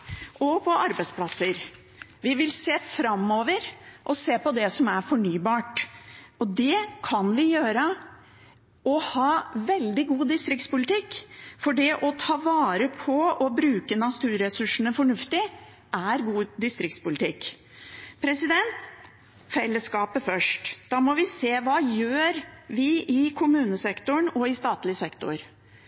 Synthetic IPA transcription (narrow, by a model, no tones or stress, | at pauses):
ʔɔpʰɔʔɑɾbæɪspʰlɑsəɾ | ʋɪʋɪlseːfɾɑmːoːʋəɾʔɔseːpɔd̪ɛsɔmæɾfɔɳyːbɑːʈɔd̪ɛkʰɑnʋɪjøːɾə | ɔhɑːʋɛld̪ɪɡuːd̪ɪst̪ɾɪkt̪spʊlɪt̪ɪkːfɔɖɛʔɔt̪ʰɑːʋɑːɾəpʰɔɔbɾʉːkənɑst̪ʉːɾɛsʉʂənəfɔɳʉft̪ɪ | ʔæɾɡuːd̪ɪst̪ɾɪkt̪spʊlɪt̪ʰɪkː | pʰɾɛsɪd̪ɛnt̪ | fɛlːəskɑːpəfœʂʈd̪̥ɑːmɔʋɪseːʋɑːjøːɾʋɪɪkʰʊmʉːnəsɛkt̪ʊɳɔɪst̪ɑːt̪lɪsɛkt̪ʊ̰ɾ